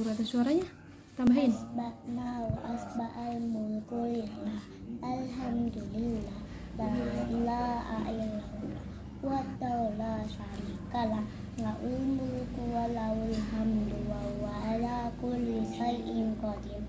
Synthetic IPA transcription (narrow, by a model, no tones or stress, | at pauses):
uɾad̪asuaɾaɲa | t̪ambainbanawʔasbaʔalmulkojila | alɦamd̪ulilːa | balaʔaʔilaula | wat̪alasanikala | ŋɡaʔwilmulkuwalawulɦamd̪uwawalakolisaiʔiŋkɔd̪i